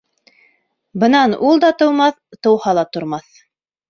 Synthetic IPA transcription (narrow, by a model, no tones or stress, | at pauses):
bɤ̆nɑnulˠd̪ɑt̪ŏwmɑθ | t̪ɤ̆whɑlˠɑt̪ŏɾmɑθ